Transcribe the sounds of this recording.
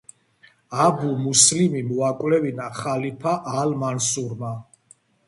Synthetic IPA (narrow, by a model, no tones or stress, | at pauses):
abumuslimimuakʼwlɛvinaχalipʰaʔalmansuɾma